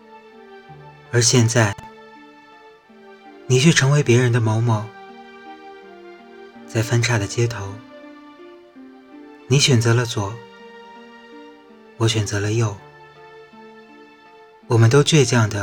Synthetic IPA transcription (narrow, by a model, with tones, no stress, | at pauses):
ə˞˧˥ɕjɛ˥˧nt͡sa˥˩ɪ | ni˨˩t͡ɕʰɥɛ˥˩ʈ͡ʂʰɤ˧˥ŋwe˧˥ɪpjɛ˧˥ɻə˧˥nd̪ə˧mo˧˥ʊmɔ˧˥ | t͡sa˥˩ɪfə˥nʈ͡ʂʰa˥˩d̪ə˩t͡ɕjɛ˥t̪ʰo˧˥ʊ | ni˧˥ɕɥɛ˨˩nt͡sɤ˧˥lə˧t͡swɔ˨˩˦ | wɔ˧˥ɕɥɛ˨˩nt͡sɤ˧˥lə˧jo˥˩ʊ | wɔ˨˩mə˦nt̪̬o˥ʊt͡ɕɥɛ˥˧ɪt͡ɕjɑ˥˩ŋd̪ə˩